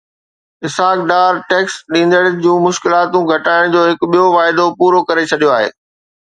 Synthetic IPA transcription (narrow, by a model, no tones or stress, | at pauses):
ɪsaːkɖaːɾʈeːksɗĩːn̆d̪əɽənɪ̆d͡ʑũːmʊʃkɪlaːt̪ũɡʱɐʈaːɪɽ̃d͡ʑoːɦɪkʊɓijoʋaːɪd̪opuːɾokɐɾet͡ɕʰɐɗijoaːɦḛː